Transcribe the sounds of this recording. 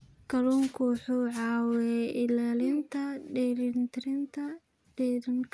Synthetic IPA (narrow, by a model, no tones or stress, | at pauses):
kʰɐluːŋkʰuːħuʕɑːwɛʔɪlaːlɪnt̪ʰɐɖɛɾɪnt̪ʰɪɾɪnt̪ʰɐ | ɖ̥ɛɾɪŋk